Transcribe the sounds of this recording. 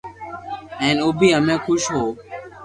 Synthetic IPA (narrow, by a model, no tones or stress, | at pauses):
ɛ̃ːnʊːbʱiːɦəmẽːkʰʊʃɦoː